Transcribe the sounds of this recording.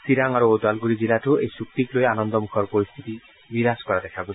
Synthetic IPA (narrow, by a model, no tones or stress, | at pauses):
siɾaŋaɾood̪alɡuɾid͡ʑilaʈuejsuk̚t̪ikloeanɔnd̪ɔmukʰɔɾpoɾist̪ʰit̪i | biɾaskɔɾad̪ɛkʰabo